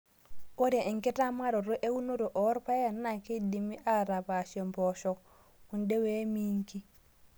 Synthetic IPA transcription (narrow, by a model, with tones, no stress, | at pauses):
o˦ɾe˨ʔe˨ŋke˦ta˦ma˦ɾo˨ɾo˦ʔe˦wu˦no˦ɾo˨ʔɔ˦ɾpa˦ja˨nːa˨ki˦di˨mi˦ʔa˦ɾa˨pa˨so˨mpoʃɔ˨k | u˨nde˦we˦mi˦ŋki˦